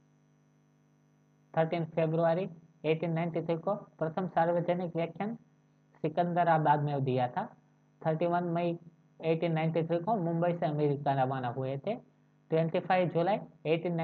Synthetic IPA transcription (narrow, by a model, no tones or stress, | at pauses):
t̪ʰəɾʈiːnfʰeːbɾuʋaːɾi | eːʈʰiːnːaɪ̃ɳʈit̪ʰɾikopɾət̪ʰəmsaːɾʋəd͡ʒənɪkʋjəkʰjən | sɪkə̃nd̪əɾabaːd̪mẽd̪ijat̪ʰa | t̪ʰəɾʈiʋənmɐi | eːʈiːnːãɪ̃ɳʈit̪ʰɾikõmʊ̃mbəisẽɐmeːɾikanɐʋaːnaɦʊet̪ʰe | ʈʋẽɳʈipʰaɪʋd͡ʒulaːieːʈiːnː